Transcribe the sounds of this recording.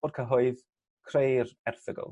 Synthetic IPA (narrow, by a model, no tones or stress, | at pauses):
dkʰəɦɔɨð | kʰrejrɛrθəɡɔ̰lˠ